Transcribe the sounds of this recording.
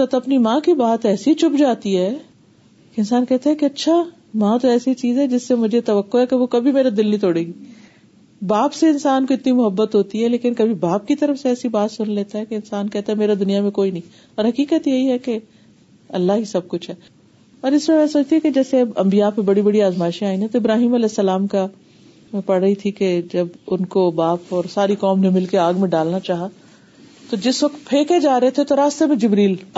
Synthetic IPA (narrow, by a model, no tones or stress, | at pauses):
t̪ɐt̪ɐpnimãːkibaːt̪ɛːsit͡ʃʊpd͡ʒaːt̪iɦɛ | keɪnsaːnkɛɦt̪aɦɛ̃keɐtːʃʰa | mãt̪oɛːsit͡ʃiːzɦɛd͡ʒɪsːemʊd͡ʒʱet̪ɐʋəkːoɦɛkeʋokɐbʱimeːɾad̪ɪlnɦĩt̪oːɽeːɡiː | baːpseɪnsaːnkoɪt̪nimʊɦəbːət̪ɦoːt̪iɦɛleːkɪnkɐbʱibaːp̚kit̪ɐɾəfseɛːsibaːt̪sʊnleːt̪aɦɛkeɪnsaːnkɛɦt̪aɦɛmeːɾad̪ʊnijamẽkoːinɐɦĩ | ɔːɾɦɐkiːkət̪jeɦiɦɛke | ɐlːaɦisɐb̚kʊt͡ʃʰɦɛː | ɔːɾɪsmẽmɛ̃soːt͡ʃt̪iɦũked͡ʒɛːseɐbɐ̃mbijapẽbɐɽibɐɽiaːzmaːɪʃẽaːĩnɛ̃t̪oɪbɾaːɦiːmɐlɛːsːɐlaːmka | pɐɽɐit̪ʰiked͡ʒɐbʊnkobaːpɔːɾsaːɾikɔːmnẽmɪlkeaːɡmẽɖaːlnat͡ʃaːɦa | t̪od͡ʒɪsʋɐkt̪pʰeːked͡ʒaːɾɐet̪ʰet̪oɾaːst̪emẽd͡ʒɪbɾiːl